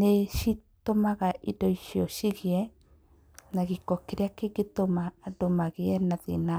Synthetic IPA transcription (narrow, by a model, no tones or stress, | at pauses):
neʃit̪omaɣaʔidoiʃioʃiɣiɛ | naɣikokeɾeakeɣit̪omaːdomaɣiɛnaðḭna